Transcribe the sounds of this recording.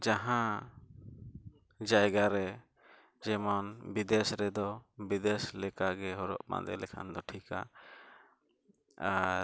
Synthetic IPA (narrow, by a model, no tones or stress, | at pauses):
d͡ʒaɦã | d͡ʒajɡaɾɛ | d͡ʒɛmɔnbid̪ɛsɾɛd̪ɔbid̪ɛslɛkaɡɛɦɔɾɔ̰ʔpã̰d̪ɛ̰lɛkʰa̰nd̪ɔʈʰika̰ | a